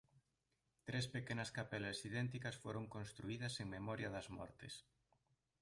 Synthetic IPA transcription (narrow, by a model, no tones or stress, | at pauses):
t̪ɾespekenɐskapɛlɐsiðɛnt̪ikɐsfoɾoŋkonst̪ɾuiðɐseŋmemɔɾjɐðɐzmɔ̰ɾt̪ḛs